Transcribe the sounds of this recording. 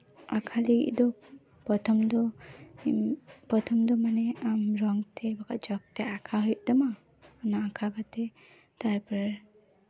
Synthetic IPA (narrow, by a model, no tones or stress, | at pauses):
akʰaliɡḭʔd̪ɔ | pɔt̪ʰɔmd̪ɔ | pɔt̪ʰɔmd̪ɔmanɛamɾɔŋt̪ʰɛbakad͡ʒɔk̚t̪ɛakʰaɦɔjʔd̪ɔma | ɔnaːkʰakat̪ɛ | t̪aɾpa